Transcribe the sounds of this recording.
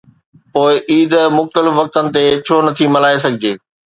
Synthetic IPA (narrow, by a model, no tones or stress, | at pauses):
poːɪʔiːd̪mʊxt̪əlɪfʋɐk̚t̪ənɪ̆t̪et͡ɕʰoːnɐt̪ʰimɐlaːes̬ɐɡʱɪd͡ʑeː